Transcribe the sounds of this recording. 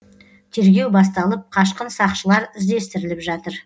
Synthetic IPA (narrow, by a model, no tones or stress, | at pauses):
t̪ʰe̞ɾɡʲe̞wbɑs̬t̪ɑlˠəp̚qʰɑʃqənsɑqʃəlˠɑɾɪzd̪e̞st̪ɪɾɪlɪpʒɑt̪əɾ